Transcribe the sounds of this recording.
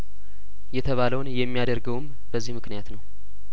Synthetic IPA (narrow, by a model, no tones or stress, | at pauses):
jɛt̪ʰəβaləwnjɛmːijad̪əɾɡəwm | b̥əzːihmɨknijat̪nəw